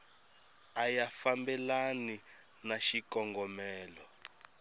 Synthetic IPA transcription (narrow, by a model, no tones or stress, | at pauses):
ajafambɛlani | naʃikɔŋɡɔmɛːlɔ